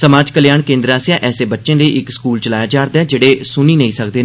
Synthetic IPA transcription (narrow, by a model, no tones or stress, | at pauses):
səmaːd͡ʒkəlɪjaːɳkẽːnd̪ɾaːsjãːʔɛːseːbətːʃẽːləiːʔɪkskuːlt͡ʃəlaːjaːd͡ʒaːɾd̪ɛːd͡ʒeːɽeːsʊniːnəĩːsəkd̪eː